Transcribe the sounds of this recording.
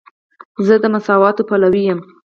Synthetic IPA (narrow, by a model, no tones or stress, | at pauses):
zəd̪əmasɑwɑt̪opalawijəm